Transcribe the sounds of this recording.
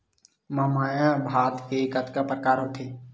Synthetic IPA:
mãmaːjãːbʱaːt̪kekət̪kapɾkaːɾɦot̪ʰeː

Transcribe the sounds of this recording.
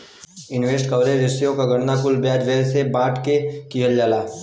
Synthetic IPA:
ɪnʋeːsʈkɐʋɾed͡ʒɪsijõkaɡʱɐɽnakʊlbjaːd͡ʒʋɛːsebãːʈkekiɦəld͡ʒaːlaː

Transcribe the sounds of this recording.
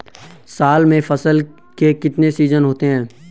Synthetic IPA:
saːlmẽfɐsəl | kekɪt̪nesiːzənɦoːt̪eɦɛ̃ː

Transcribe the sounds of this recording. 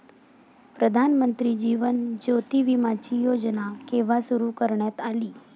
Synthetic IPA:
pɾəd̪ʱanmənt̪ɾiːd͡ʑiːʋənd͡ʑot̪iʋimat͡ɕijod͡ʑnakeʋasuɾukəɾɳjat̪aliː

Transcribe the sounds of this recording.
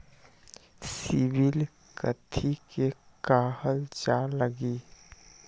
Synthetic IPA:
sɪbɪl | kət̪ʰikekaːhəld͡ʒaləɡiː

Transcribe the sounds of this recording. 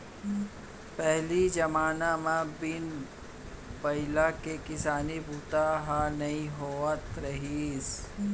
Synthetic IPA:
pɛɦlid͡ʒɐmaːnamãbɪn | bɐɪlakekɪsaːnibʱuːt̪aɦanɐĩɦoːət̪ɾɐɦiːs

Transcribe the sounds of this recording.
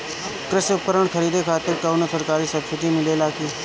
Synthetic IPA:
kɾɪsʊpəɾəɳkʰəɾiːd̪ekʰaːt̪ɪɾkaunosəɾkaːɾiːsəbsɪʈiːmɪlelaːkeː

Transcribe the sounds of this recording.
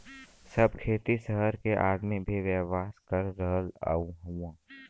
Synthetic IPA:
səb̚kʰeːt̪isəɦəɾkeʔaːɽmebʱiʋjɛːʋaːskəɾːəɦəla̰ːũɦuãː

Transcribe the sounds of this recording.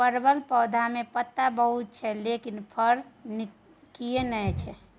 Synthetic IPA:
pəɾbəlpəːd̪ʱamepət̪ːabəɦut̪̚t͡ʃʰɛlekinpʰəɾni | kijenəɛt͡ʃʰɛ

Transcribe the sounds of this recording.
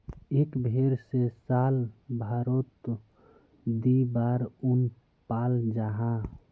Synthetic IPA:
ekbʱeɾsesaːlbʱaɾot̪ | d̪ibaːɾʊn | paːld͡ʒaɦã

